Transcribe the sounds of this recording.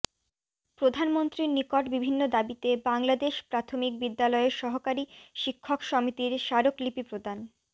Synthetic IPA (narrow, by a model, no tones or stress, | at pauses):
pɾod̪ʱanmont̪ɾiɾnikoʈbibʱinːod̪abit̪ebaŋlad̪eʃpɾat̪ʰomik̚bid̪ːalɔeeɾʃɔɦokaɾiʃikʰːokʃɔmit̪iɾʃaɾoklipipɾod̪an